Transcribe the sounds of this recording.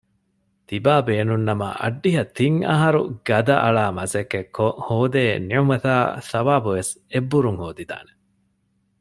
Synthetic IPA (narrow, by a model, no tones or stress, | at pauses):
t̪ibaːbeːnunːɐmɐ̰ʔɐ̰ɖːiɦɐt̪iŋɐ̰ɦɐɾuɡɐd̪ɐʔɐɭaːmɐzɐkːekʰːohoːd̪eːniʕumɐt̪aːsɐʋaːbuʋesebːuɾuŋhoːd̪id̪a̰ːne̥